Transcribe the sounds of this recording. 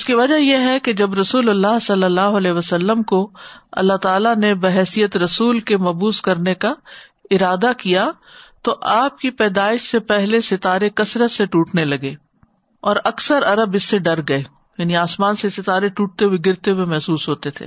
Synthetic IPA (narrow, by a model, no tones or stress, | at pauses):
ɪskiʋɐd͡ʒajeɦɛked͡ʒɐbɾɐsuːlɐlːaːɦsɐlːəlːaːɦoɐlɛːɦʋəsəlːəmkoɐ̰lːaɦt̪aːlanebɐɦɛːsijət̪ɾɐsuːlkemɐbuːskɐɾneka | ɪɾaːd̪akija | t̪oʔaːp̚kipɛːd̪aːɪʃsepɛɦlesɪt̪aːɾekɐsɾət̪seʈuːʈnelɐɡeː | ɔːɾɐksəɾɐɾəbɪsːeɖɐɾɡɐeː | jaːniaːsmaːnsesɪt̪aːɾeʈuːʈ̚t̪eɦweɡɪɾt̪eɦuwemɛɦsuːsɦoːt̪et̪ʰḛː